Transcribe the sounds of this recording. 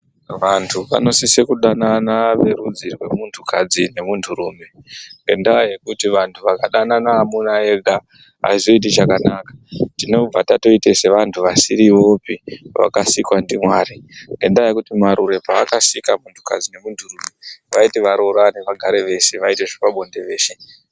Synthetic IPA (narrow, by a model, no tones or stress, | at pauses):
ʋantʰuʋa̰no̞sisekuɗananaʋe̞ɾud͡zirwe̞muntʰukad͡zine̞muntʰuɾuːme̞ŋɡe̞ndaaje̞kutiʋantʰuʋakaɗananaːmunae̞ɡʱa | a̰izo̞it̬it͡ʃakanakḁtino̞b͡vatato̞itese̞ʋantʰuʋasiɾiʋo̞ːpiʋa̰kasikwandimwaːɾiŋɡe̞ndaaje̞kutimaɾuɾe̞paːkasikamuntʰu̥ka̰d͡zine̞muntʰurumeʋaiteʋaɾo̞ɾane̞ʋaɡʱaɾe̞ʋe̞se̞ʋaite̞ʐepaɓo̞nde̞ʋe̞ːʃe